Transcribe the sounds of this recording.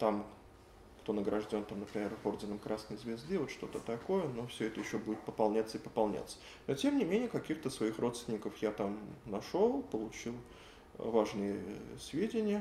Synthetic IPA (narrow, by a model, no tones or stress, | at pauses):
t̪am | kt̪o̞nəɡɾʔɐʐdʲo̞nt̪amnəpɾʲɪmʲervo̞rdʲɪnəmkɾʔasnəjzvʲɪzd̪ɨvot̪ʂt̪o̞t̪ət̪ɐko̞jəno̞fsʲɵɛt̪əjɪɕːobudʲɪt̪̚pəpɐlˠnʲat̪səɪpəpɐlˠnʲa̰t̪sə̥ | no̞tʲe̞mnʲɪmʲenʲɪjəkɐkʲixt̪əsvɐixrʔo̞t̪st̪ʲɪnʲɪkəfjat̪amnɐʂolˠpəlˠʊt͡ɕilˠ | vaʐnɨjəsvʲedʲɪnʲɪjə